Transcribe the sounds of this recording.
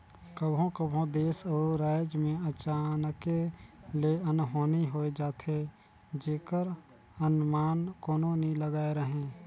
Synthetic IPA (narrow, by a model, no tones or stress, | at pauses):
kəbʱõkəbɦõd̪eːsɔːɾaːd͡ʒmẽət͡ʃaːnəkeleənɦoːniɦoːed͡ʒaːt̪ʰe | d͡ʒeːkəɾ | ənmaːnkoːnonĩləɡaːeɾəɦẽː